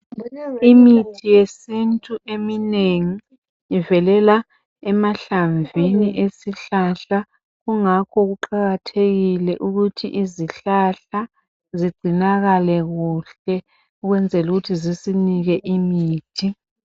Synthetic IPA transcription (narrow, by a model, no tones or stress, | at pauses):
imitʰijesintʼuʔemineŋiː | vɛlɛla | ɛmaɬaɱviniʔesiɬaɬa | ɣuŋakʰɔɣuǃaɣatʰeɣilɛʔuɣutʰḭʔiziɬaɬa | ziɡ͡ǀʱinaɣalɛɣuɬɛ | uɣwɛnd͡zʱɛluɣutʰizisiniɣɛʔimiːtʰi